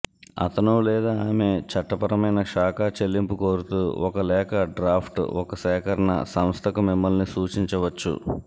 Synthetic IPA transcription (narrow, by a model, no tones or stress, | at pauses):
ɐ̰t̪ɐnoːlɛːd̪aːaːme̞t͡ʃɐʈːɐpɐɾɐmɐjnɐkʂaːkaːt͡ʃe̞lːimpuko̞ːɾut̪uːɔkɐlɛːkɐɖɾaːpʰʈɔkɐsɛːkʰɐɾɐnɐ̰sɐmst̪ʰɐkumimːɐlnisuːt͡ʃiɲt͡ʃɐʋɐt͡ʃːṵ